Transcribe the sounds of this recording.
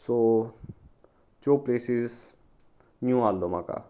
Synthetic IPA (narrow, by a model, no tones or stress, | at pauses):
so | t͡ʃoːpleːsiz | njũaːlːoma̰ka̰